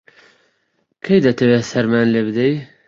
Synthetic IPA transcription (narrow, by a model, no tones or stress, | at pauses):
kʰejd̪ɐt̪ʰɐwesɐɾmaːnlebɨd̪ej